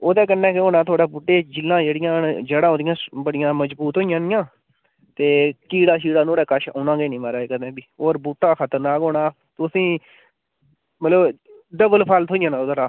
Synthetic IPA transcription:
oːd̪ɛːkənːɛ̃ːkɪoːnaːt̪ʰaːɽaːbuːʈːeːd͡ʒɪlːãːd͡ʒeːɽɪjãːd͡ʒəɽãːɦoːd̪ɪjãːbəɽɪjãːməd͡ʒbuːt̪ɦoːijãːnɪjãː | t̪eːkiːɽaːʃ̬iːɽaːnoːɽɛːkəʃa̰ːnãːɡeːnĩːmaːɾaːeːkənɛ̃ːbiːoːɾbuːʈːaːkʰət̪əɾnaːɡoːɳaː | t̪ʊsĩː | mət̪ləb | ɖəbəlpʰaːlt̪ɦoːɪjãːnaːoːd̪aːɾaː

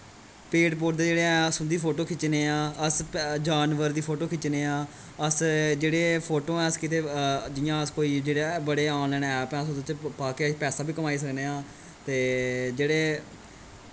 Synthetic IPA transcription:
peːʈpoːɾʈd̪eːd͡ʒeːɽeːɛ̃ːəsʊ̃nd̪iːpʰoːʈoːkʰɪt͡ʃneːãːəsd͡ʒaːnʋəɾd̪iːpʰoːʈoːkʰɪt͡ʃneːãː | əsd͡ʒeːɽeːpʰoːʈõːɛ̃ːəskɪt̪eːd͡ʒɪjãːəskoːiːd͡ʒeːɽebəɽeːãːnlɛːnɛːpɛ̃ːsd̪ot͡ʃepaːkepɛːsãːbiːkəmaːiːs̬əkneːãː | t̪eːd͡ʒeːɽeː

